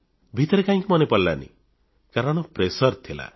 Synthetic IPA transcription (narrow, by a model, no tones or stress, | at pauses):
bʱit̪ɔɾekaɦĩŋkimɔnepɔɾla̰nḭ | kaɾɔɽ̃ɔpɾesɔɾt̪ʰila̰